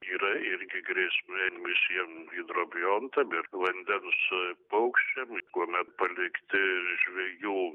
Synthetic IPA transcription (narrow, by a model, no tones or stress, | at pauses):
iːɾɐɪɾʲɡʲɪɡɾʲiɛsʲmʲɪʋʲɪsʲiɛmiːd̪ɾoːbʲɪjont̪ɐmɪɾʋɐnʲd̪ʲɛnspɐʊkʃʲt͡ʃʲɛmkuɔmʲɛt̪̚pɐlʲɪkt̪ʲɪʒʲʋʲɛjuː